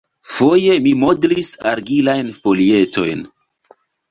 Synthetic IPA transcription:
fo̞je̞mimo̞dɾisa̰ɾɡilajnfo̞lie̞tʰo̞̰jn

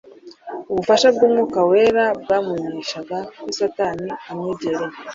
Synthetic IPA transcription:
uβufaʃabɡuːmŋuːkaweːɾabɡaːmwiːɲiʃaɡakusataniamɲeɟeɾe

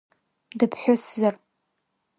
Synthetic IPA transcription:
dɨpʰħʷᶣʊszar

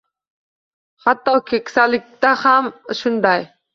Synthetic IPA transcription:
hat̪ːɑkʰʲekʲsalɪk̚ʲt̪ahamʃʊnd̪ɑj

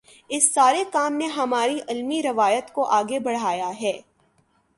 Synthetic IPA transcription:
ɪsːaːɾekaːmneɦɐmaːɾiʔɪlmiɾɐʋaːjət̪koʔaːɡebɐɽ̤aːjaɦɛː

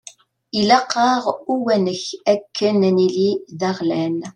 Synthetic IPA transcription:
ilɑqːɑʁuwænəçækʰːənniliðæʁlæn

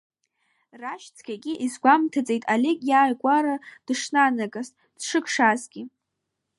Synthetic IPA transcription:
raʃt͡sʰkʲʰaɡʲʼiʔizɡʷamtʰat͡sʼe̞jtʼalekʼjaːjkʷʼaɾad̥ʂnanakʼastʼd̥ʂɨkʰʂazɡʲɪ

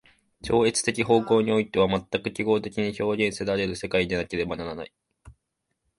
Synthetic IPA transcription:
t͡ɕo̞ːet͡sɨ̥t̪e̞kʲiɦo̞ːko̞ːɲ̟io̞it̪e̞β̞amat̪ːakɯ̟kʲiɡo̞ːt̪e̞kʲiɲ̟iço̞ːɡʲẽ̞ɰ̃se̞d̪aɾe̞ɾɯ̟se̞kaid̪enake̞ɾe̞banaɾana̰i

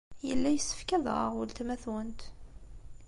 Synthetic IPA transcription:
jəlːæjəsːə̥fkæðʁə̰ʁʊlt̪mæθwənt̪

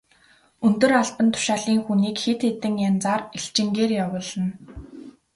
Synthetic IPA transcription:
ɵnt̪ɵ̆raɮpə̆nt̪ʰʊ̥ʃaːɮiːŋxuniːkxet̪xet̪ɘ̆ŋjant͡saːreɬt͡ɕɪ̆ŋɡeːrjawʊːɮə̆n

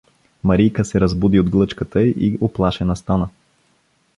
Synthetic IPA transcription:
mɐɾijkəsɛɾɐzbud̪iod̪ɡlˠɤt͡ʃkət̪əiʔiʔoplˠaʃɛnɐst̪anə

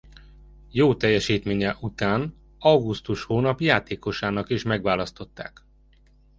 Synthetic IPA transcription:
joːt̪ɛjːɛʃiːt̪meːɲɛʔut̪aːn | ɒɡust̪uʃhoːnɒpjaːt̪eːko̞ʃaːnɒkeːʃmɛɡʋaːlɒst̪o̞t̪ːa̰ːk

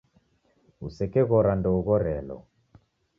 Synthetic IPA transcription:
usɛkɛɣɔɾandɔuɣɔɾɛlɔ̰

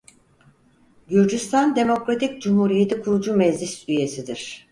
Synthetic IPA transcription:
ɟyɾd͡ʒyst̪ʰand̪e̞mo̞kɾat̪ʰic̚d͡ʒumhuɾije̞t̪ikʰuɾud͡ʒumɛzlʲisyje̞sid̪iɾ̥

